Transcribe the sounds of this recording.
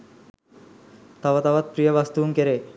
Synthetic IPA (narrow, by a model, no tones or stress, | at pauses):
t̪aʋat̪aʋat̪̚pɾijəʋast̪uuŋkeɾe